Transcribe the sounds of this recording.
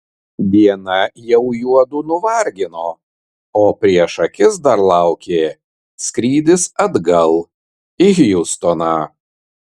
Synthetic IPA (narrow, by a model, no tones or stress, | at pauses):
ʋʲiɛnɐjɛʊjuɔd̪unʊʋɐɾʲɡʲɪnoː | oːpʲɾʲiɛʃɐkʲɪsd̪ɐɾlˠɑˑʊkʲeː | sʲkɾʲiːd̪ʲɪsɐd̪ɡɐlˠ | iɪxjʊst̪oːnɑː